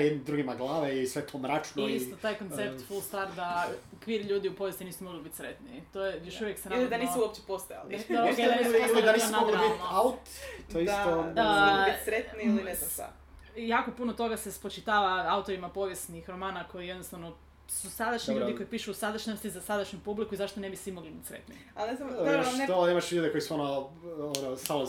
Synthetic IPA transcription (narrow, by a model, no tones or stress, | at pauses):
jed̪nd̪ɾuɡimaɡlˠaːʋeisʋet̪ʰomɾat͡ʃnoist̪ot̪aːjkont̪sept̪fulˠst̪aɾd̪akʋiɾʎuːd̪iupo̞ʋjest̪iniːsumoɡlibit̪ʲsɾet̪nit̪ojejoʃuʋjeksenlid̪aniːsuuopt͡ɕepost̪oja̰lid̪akeanisuosaniosnaoliabitnoaut̪t̪oisat̪oit̪ʲsɾet̪niiliesaa̰ | jaːkopunot̪o̞ɡase̞spot͡ʃit̪aːʋaaut̪o̞ɾimapo̞ʋjesnixɾo̞maːnako̞jijed̪nost̪aʋno | susad̪aʃɲiʎd̪iko̞ipiʃuːsad̪aʃɲost̪izasad̪aʃɲupublikuizaʃt̪onebisʋimoɡlibit̪ʲsɾḛt̪nḭalnezamiʃet̪oimaʃlʎuːd̪eko̞jisuonoonosalo